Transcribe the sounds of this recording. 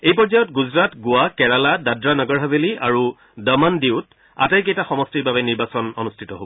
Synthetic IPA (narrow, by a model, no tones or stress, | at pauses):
ejpɔɹd͡ʒajɔtɡuzɹatɡʊwakɛɹaladadɹanɔɡɔɹɦazeliaɹu | dɔmandiʊt | a̰tajk̬ejtaxɔmɔstiɹbabɛniɹbasɔnɔnustʰitɔɦobɔ